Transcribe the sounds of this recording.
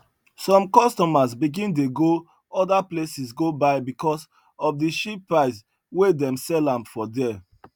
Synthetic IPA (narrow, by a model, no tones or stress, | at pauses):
sɔ̃mkɔstɔmazbiɡĩnt̬eɡo | ɔdaplesisɡobaɪbikʰɔs | ɔfdiʃipːɹaɪs | wedɛ̃msɛlãmfɔdɛ